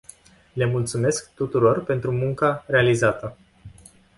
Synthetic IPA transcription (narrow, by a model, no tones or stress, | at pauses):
le̞mult̪sume̞skt̪ut̪uɾo̞rpe̞nt̪ɾumuŋkare̞alizat̪ə